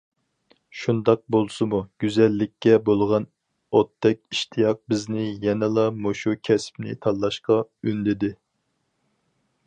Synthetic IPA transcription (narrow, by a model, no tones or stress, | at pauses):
ʃund̪ɑq̚bolˠsɨmuɡ̥ʲyzɛlːɪkʲːɛbolˠʁɑn | ot̪ːɛkʲiʃt̪ʰijɑq̚bɪznɪjɛnɛlˠɑmoʃukʲʰɛspnɪ̰t̪ʰɑlːˠɑʃqɑynd̪ɪd̪ɪ